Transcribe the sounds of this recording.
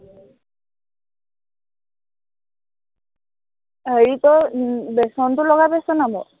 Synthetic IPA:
ɦəɹitɔbɛsɔntʊlɔɡabɛsɔnabɔ

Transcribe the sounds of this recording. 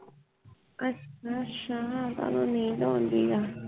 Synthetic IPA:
askãʃããd̪a̰nõnĩnd̪õnd̪iða

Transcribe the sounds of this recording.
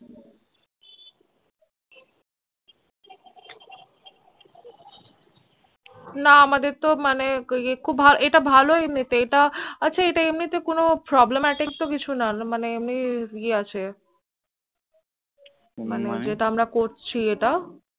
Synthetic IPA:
naamad̪eɾt̪omaneekʰubbʱaloʔeʈabʱaloemnit̪eeʈaatːʃʰaeʈaemnit̪ekonopɾɔblemɛʈik̚t̪okit͡ɕʰunamaneemnieat͡ɕʰe | maned͡ʒeʈaamɾakoɾt͡ɕʰieʈa

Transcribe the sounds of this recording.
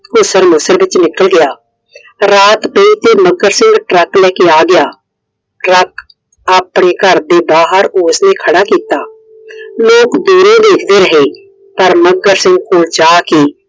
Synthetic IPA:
kʊsəɾmʊsəɾbɪt͡ʃnɪkəlɡɪjaː | ɾaːt̪pəiːt̪eːməɡəɾsɪ̃ŋɡʈɾəklɛːkeːaːɡɪjaː | ʈɾək | aːpɽeːkəɾd̪eːbaːɦəɾʊsneːkʰəɽaːkiːt̪aː | loːkd̪uːɾõːd̪eːkʰd̪eːɾəɦeː | pəɾməɡəɾsɪ̃ŋɡ̚koːld͡ʒaːkeː

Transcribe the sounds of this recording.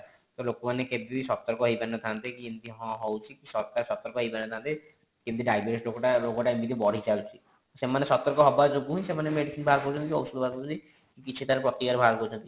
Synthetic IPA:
t̪ɔlokomaneked̪isɔt̪ːɔɾkɔɦeibɛnɔt̪ʰant̪ekiint̪iɦɔ̃ɦɔwt͡ʃʰikisɔɾkaɾsɔt̪ːɔɾkɔɦeibɛnɔt̪ʰãnt̪e | kint̪iɖajbeɾislokoʈalokoʈaemid̪ibɔɽ̤ʱit͡ʃawt͡ʃʰi | semanesɔt̪ːɔɾkɔɦɔbad͡ʒoɡuɦũĩsemanemeɖisinbʱalkɔɾut͡ʃʰɔnt̪iiɔwsud̪bʱalkɔbut͡ʃʰi | kikit͡ʃʰit̪ʰaɾepɾɔt̪ikaɾbʱalkɔut͡ʃʰɔ̃nt̪i

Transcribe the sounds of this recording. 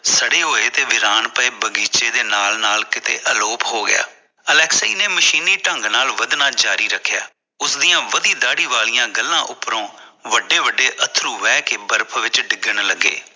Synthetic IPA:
səɽeːɦoːeːt̪eːʋɪɾaːnpəeːbəɡiːt͡ʃeːd̪eːnaːlnaːlkɪt̪ḛːʔəloːpɦoːɡɪ̰ja̰ː | əlɛːksaiːneːməʃiːniːʈəŋɡnaːlʋəd̪nãːd͡ʒaːɾiːɾəkʰːja̰ː | ʊsd̪ijãːʋəd̪iːd̪aːɽiːʋaːlijãːɡəlːãːʔʊpːɾõːʋəɖeːʋəɖːeːʔət̪ʰɾuːʋɛːkebəɾpʰʋɪt͡ʃɖɪɡəɳləɡːḛː

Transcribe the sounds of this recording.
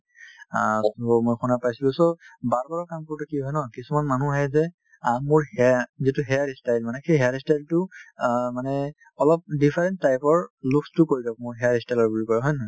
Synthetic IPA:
a̰somojxunapajsilʊ̃sobaɹkɔɹɔkamkɔɹtukiɦɔjnɔkisumanmanuɹajzɛ | amuɹhɛzituɦɛjaɹistajlmanɛxejɦɛjaɹistajltʊ | manɛ | ɔlɔp̚dipʰaɹɛnttːajpɔɹlukstʊkoɹidɔkmʊɹɦɛjaɹistajlɔɹbulikɔɹɛɦɔjnɔ

